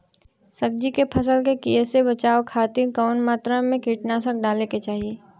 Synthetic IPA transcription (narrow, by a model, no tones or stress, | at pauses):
səb̚d͡ʒikepʰɐs̬əlkekiesebɐt͡ʃaːokʰaːt̪ikɔːnmaːt̪ɾamẽkiːʈnasək̚ɖaːleket͡ʃaːɦieː